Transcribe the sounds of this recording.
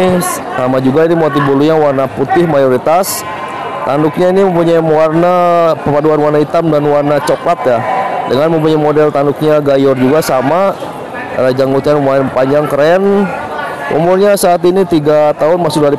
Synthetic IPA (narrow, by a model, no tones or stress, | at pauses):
samad͡ʒuɡainimot̪̬ibuluɲawarnaput̪ɪhmajoɾit̪as | t̪andʊk̚ɲainiməmpuɲajimowarnapəpaduanwarnait̪amdanwarnat͡ʃoklat̪jadəŋanməmpuɲajmodɛlt̪andʊk̚ɲaɡajɔrd͡ʒuɡasama | ad͡ʒaŋut̪ɲanəmapaɲd͡ʒaŋkəɾɛn | ʔṵmʊrɲasaːt̪init̪iɡat̪aɦʊnmasʊk̚daɾi